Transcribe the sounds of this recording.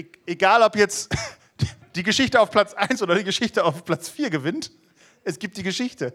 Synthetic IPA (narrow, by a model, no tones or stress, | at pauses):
ʔeɡaːlɔpjɛt͡st | d̥iːɡəʃɪçtəaʊfpʰl̥at͡sʔaɪnsʔoːdɐɾdiːɡəʃɪçtəaʊfpʰl̥at͡sfiːɐɡəvɪnt | ʔɛsɡ̥iːp̚t̚d̥iːɡəʃɪçtə